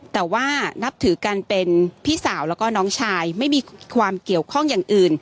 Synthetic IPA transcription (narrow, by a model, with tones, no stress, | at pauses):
t̪ɛː˨˩waː˥˩na˦˥p̚t̪ʰɯː˨˩˦ka˧npe˧npʰiː˥˩saː˩˦wlɛː˦˥kɔː˥˩nɔː˦˥ŋt͡ɕʰaː˧jma˥˩jmiː˧kʰwaː˧mki˨˩əwkʰɔ˥˩ŋjaː˨˩ŋʔɯː˨˩n